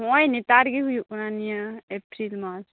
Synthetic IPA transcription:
ɔjnit̪aɾɡiɦujuʔunanijaepɾilmat͡ʃ

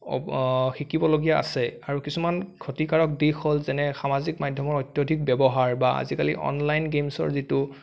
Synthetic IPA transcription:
xikibɔloɡijaa̰sɛaɹukisumankʰotikaɹɔk̚dixolzɛnɛxamazikmadʱjɔmɔɹɔjtjodʱik̚bɛbɔɦaɹbaa̰zikalḭʔɔ̰nlajnɡemsɔ̰ɹzitu

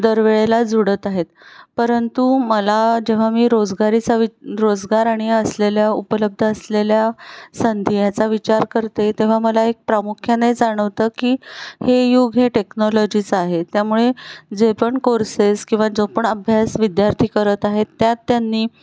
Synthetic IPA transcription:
d̪əɾʋeɭelad͡zuɽət̪aɦet̪pəɾənt̪uməlad͡ʑeʋ̤amiːɾod͡zɡaɾit͡saʋiɾod͡zɡaɾaɽ̃iəsleljaupələb̚d̪ʱəːsleljasənd̪ʱijat͡saʋit͡ɕaɾkəɾt̪et̪eʋ̤aməlaek̚pɾamukʰjaned͡zaɽ̃əʋt̪əkiːhejuɡɦeʈeknɔlɔd͡ʑit͡saɦet̪jamuɭed͡zepəɳkoɾseskĩw̃ʋad͡zopəɳəbʱjasʋid̪jaɾt̪ʰiːkəɾət̪aɦet̪ːjat̪ːjanːiː

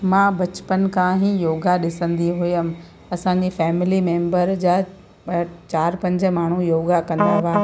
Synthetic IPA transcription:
mãːbɐt͡ɕpən̆kãɦĩjoːɡaɗɪsə̃nd̪iɦʊjəm̆ | ɐsãːɲ̆d͡ʑifɛːmɪlimẽːmbəɾd͡ʑaː | t͡ɕaːɾpɐ̃ɲd͡ʑə̆maːɳ̤ujoːɡakɐ̃nd̪aːʋaː

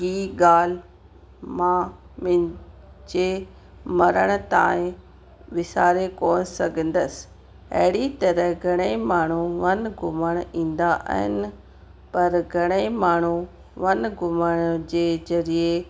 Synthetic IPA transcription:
ɦiːɡaːl̤ | mãmɪ̃ | d͡ʑe | mɐɾəɽ̃̆t̪ã̰ːɪ̃ | ʋɪsaːɾekoːnsɐɡʱə̃n̆d̪əs | ɐ̰ɦɪɽit̪ɐɾəɦɡʱɐɽ̃emaːɳ̤uʋɐnɡʱʊməɽ̃ĩːn̆d̪aʔə̰ɦɪ̰nɪ̆ | pɐɾɡʱɐɽ̃emaːɳ̤u | ʋɐnɡʱʊməɽ̃d͡ʑeːzɐɾie

